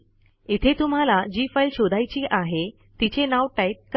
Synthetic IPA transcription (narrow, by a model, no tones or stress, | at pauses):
it̪ʰet̪um̤alad͡ʑiːfajlɕod̪ʱajt͡ɕiːʔaɦe | t̪it͡ɕenaʋʈajt̪̚k